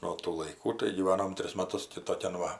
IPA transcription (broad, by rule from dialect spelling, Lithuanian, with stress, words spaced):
nuɔ tuː lˠɐɪˈkuː tɐɪ ɡʲiːˈʋɑːnoːm ˈtʲrʲɪs mɐˈtʊs tʲɪ toːˈkʲɛn ˈʋɐ